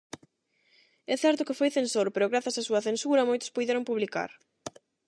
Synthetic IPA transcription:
ɛθɛɾt̪ʊkɪfojθensoɾpeɾʊɣɾaθɐsasuɐθensuɾɐmojt̪ʊ̥spujðeɾʊŋpuβlika̰ɾ

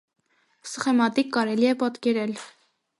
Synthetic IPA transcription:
sə̥χɛmɑt̪ikːɑɾɛliɛpɑt̪kɛɾɛl

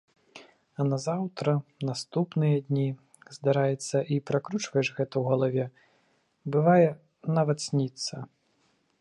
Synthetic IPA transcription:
ɐnɐzawt̪ɾɐnast̪upnɨjɐd̪ʲnʲi | zd̪aɾajɛt̪sːɐʔipɾakɾut͡ʂvɐjɛʂɣɛt̪ɐwɣɐlˠavʲɛ | bɨvajɛ | navɐt̪sʲnʲit̪sɐ

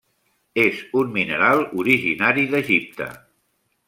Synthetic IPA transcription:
ezunminəɾalˠuɾiʒinaɾiðəʒip̚t̪ə̰

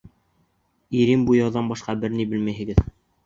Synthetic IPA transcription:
iɾimbujɑwðɑnbɑʃqɑbɘɾnibɘ̆lmæjɦɘ̆ɡɘð

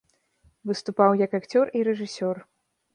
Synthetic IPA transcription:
vɨst̪upawjɐkakt͡sʲɔriɾɛʐɨsʲɔr

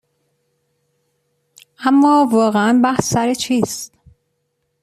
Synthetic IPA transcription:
ʔæmːɒːvɒːɣeænbæhsːæɾet͡ʃʰiːst̪

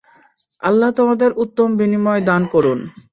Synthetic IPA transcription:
a̰lːat̪omad̪eɾʔut̪ːombinimɔed̪ankɔɾun

